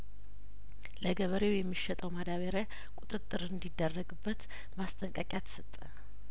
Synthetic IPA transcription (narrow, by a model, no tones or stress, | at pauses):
ləɡəβəɾewjɛmːiʃːɛt̪ʼəwmad̪aβəɾa | kʼut̪ʼɨt̪ʼːɨɾɨnd̪id̪ːərːəɡɨbːət̪ | mast̪ʼəŋkʼakʼjat̪ʰə̥sət̪ʼːə